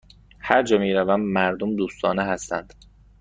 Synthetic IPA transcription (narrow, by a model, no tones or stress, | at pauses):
hæɾd͡ʒɒːmiːɾævæmːæɾd̪omd̪uːst̪ʰɒːneɦæst̪ænd̪̥